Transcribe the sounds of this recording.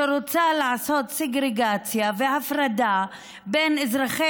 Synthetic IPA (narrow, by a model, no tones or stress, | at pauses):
eɾot͡salaʕaso̞t̪seɡɾeɡat͡sjavehafɾad̪a | be̞nezʁaχe